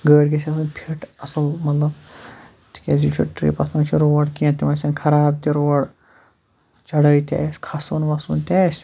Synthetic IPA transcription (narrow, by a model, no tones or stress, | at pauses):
ɡəːɽɡʲesʲiɐsɐnpʰiʈɐsɐlmɐt̪lɐb | t̪ʰi̥kʲaːzit͡ʃʰṵʈɾḭːpɐsmɐt͡ʃʰiɾoːɐɽkiãnt̪ʲimɐt͡ʃʰɐnkʰɐɾaːb̚t̪iɾoːɽ | t͡ʃɐɽɐjt̪ʲa̰ːsʲkʰɐsʋɐnʋɐsɐ̰nt̪ʲaːsʲ